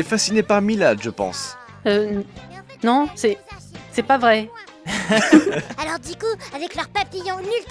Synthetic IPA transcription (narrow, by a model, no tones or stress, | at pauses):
ɛfasinepaʁmilad̪ʒəpɑ̰̃s | ø | nɔ̃sɛsɛpavʁɛ | alɔʁd̪ikuavɛklœʁpaplijɔ̃nylt̪